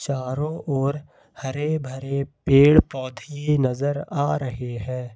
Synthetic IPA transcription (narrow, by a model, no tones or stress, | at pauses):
t͡ʃaːɾõʔɔːɾ | hɐɾebʱɐɾepeːɽpɔːd̪ʱjinɐzəɾaːɾɐɦeɦɛ̃ː